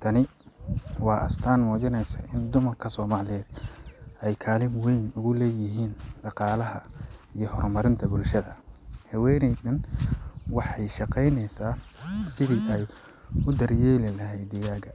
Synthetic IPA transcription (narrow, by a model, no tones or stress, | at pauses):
t̪ʰɐnɪ | wɑːʔɐ̰st̪ʰaːnmɔːt͡ʃɪnɛjsɐʔɪnd̪ʊmɐrkʰɐsɔːmaːlɪjɛːd̪̥ɛjkʰaːlɪmwɛjnʊɣʊlɛːjɪɦiːnɖɑqɑːlɐɦɐijɞhɔrmɐɾɪnt̪ʰɐbʊlʃɐðɐhɐwɛːjnɛjd̪ɐn | wɑħɑjʃɑqɛjnɛjsaːsɪðiʔɛj | ʊd̪ɐrjɛːlɪlɐɦɛjd̪ɪjaːɣɐ